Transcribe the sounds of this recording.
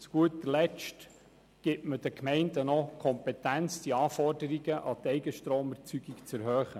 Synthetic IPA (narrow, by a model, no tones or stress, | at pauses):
t͡sɡ̥uət̪əlɛt͡ʃt | ɡ̥ɪtməd̥əkʰmɛɪndənɔkʰɔmpɛtænt͡sd̥iɑːfɔrdəɾiɡəʔɑt̪ɛɪɡəʃtɾoːməɾt͡syɡikt͡sɛɾɦøːχə